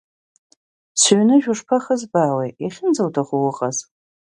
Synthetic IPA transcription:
sɥnɨʒᶣʊʂpʰaχəzbaːwejiχʲɪnd͡zawtʰaχuwʊqʼaz

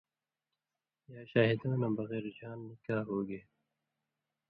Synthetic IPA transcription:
jaːʃaːɦid̪õːnabɐɣɛːɾd͡ʒaːnːikaːɦoːɡeː

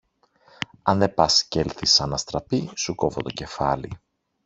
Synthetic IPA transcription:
ɐnðe̞pɐsce̞lθisɐnɐst̪ɾɐpisuko̞vo̞t̪o̞ce̞fɐli

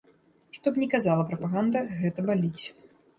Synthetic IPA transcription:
ʂt̪ɔpnʲɛkazalˠɐpɾɐpaɣand̪ɐɣɛt̪ɐbalʲit͡sʲ

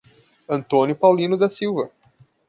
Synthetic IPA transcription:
ɐ̃nt̪õnʲʊpawlĩnʊd̪ɐsiwvɐ

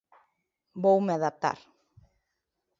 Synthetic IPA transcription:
bowmeaðap̚t̪a̰ɾ

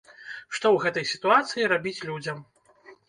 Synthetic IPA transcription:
ʂt̪ɔwɣɛt̪ɐjsʲi̥t̪uat̪sɨjiɾabʲit͡sʲlʲud͡zʲɐm

